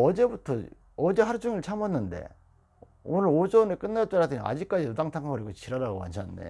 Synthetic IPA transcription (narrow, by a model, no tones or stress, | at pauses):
ʌd͡ʑebutʰʌ | ʌd͡ʑe̞ɦaɾd͡ʑuŋiɭt͡ɕʰamanːɯnde̞̰ | onɯɾod͡ʑʌnɯɭk͈ɯnːaɭt͈aɾadɯɲḭa̰d͡ʑik͈ad͡ʑitudaŋtʰaŋkʰaʌɾiɡot͡ɕiɾaɾaɡoma̰nt͡ɕʰanɯnːdḛ